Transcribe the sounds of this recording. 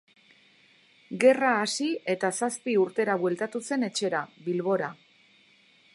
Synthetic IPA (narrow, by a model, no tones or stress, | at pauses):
ɡe̞raːsie̞t̪asaspiuɾt̪e̞ɾaβwe̞lt̪at̪use̞ne̞t͡ʃe̞ɾaβilβo̞ɾa